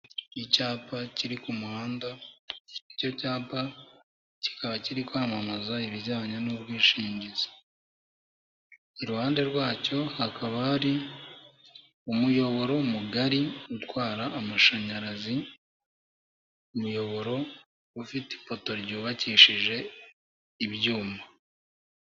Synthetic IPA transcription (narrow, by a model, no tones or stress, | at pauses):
icaːpaciɾikumuhaːnda | ico̞caːpa | ci̥kaβaciɾikwaːmamazaiβiɟaːɲanuβɡiːʃiːɲɟizḁ | iɾuhaːnde̞ɾwaːco̞hakaβahaɾi | umujo̞βo̞ɾo̞muɡaɾiutwaːɾaːmaʃaɲaɾazi | umujo̞βo̞ɾo̞ | ufite̥po̞to̞ɾɟuːβaciːʃiʒe̞ | iβjuːma